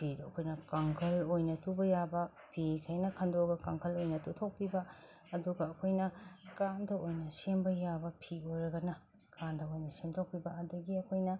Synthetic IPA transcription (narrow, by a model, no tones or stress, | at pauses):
pʰidɐkʰojnɐkɐŋkʰɐlojnɐtubɐjabɐ | pʰikʰɐjnɐkʰɐndoɡɐkaŋkʰɐlojnɐtutʰok̚pibɐ | ɐduɡɐːkʰojnɐkandɐojnɐsembɐjabɐpʰiojɾɐɡɐnɐ | kandɐojnɐsemtʰok̚pibɐɐdɐɡiɐkʰojnɐ